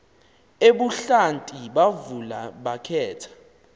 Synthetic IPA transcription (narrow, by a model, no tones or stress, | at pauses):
eɓuɬantʼiɓavulaɓakʰɛːtʰḁ